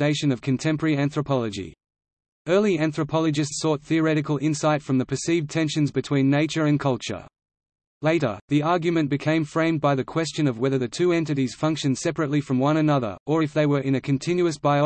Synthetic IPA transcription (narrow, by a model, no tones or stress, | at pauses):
eɪʃɨ̃nʌv̥kʰɨ̃ntʰɛ̃mpəə˞iæ̃nθɹəpʰɑlˠəd͡ʒḭ | ɜ˞lˠiæ̃nθɹəpʰɑlˠɨd͡ʒɨstsɔt̪̚θiə˞ɛɾɨkəl̩ˠɪ̃nsaɪtfɹʌ̃mðɨpʰə˞sivtʰɛ̃nʃɨ̃nzbɨtʰw̥ĩnːeɪt͡ʃə˞ɨ̃nkʰʌlˠt͡ʃə̰˞ | leɪɾə̰˞ðiɑɹɡjɨmɨ̃nb̥ɨkʰẽɪ̃ɱfɹẽɪ̃mbaɪðɨkʰw̥ɛst͡ʃɨ̃nʌvwɛðə˞ðɨtʰʉɛ̃ntɨɾiz̥fʌ̃ŋkʃɨ̃nd̥sɛpɹɨtˡlifɹʌ̃mwʌ̃ñɨnʌðə̰˞ʔə˞ɨfðeɪwə˞ʔɨ̃ñɨkʰɨ̃ntʰɪ̃njʉɨsb̥aɪ